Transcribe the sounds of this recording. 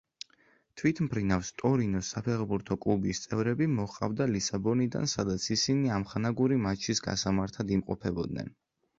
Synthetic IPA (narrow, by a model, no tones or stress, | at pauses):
t̪ʰwit̪ʰmpʰɾinafst̪ʼɔɾinɔsapʰɛχbuɾt̪ʰɔkʼlˠubist̪sʼɛvɾɛbimɔχqʼa̰vd̪alisabɔnid̪a̰nsad̪at̪sʰisiniamχanaɡuɾimat͡ʃʰisɡa̰samaɾt̪ʰad̪imqʼɔpʰɛbɔd̪nɛ̰n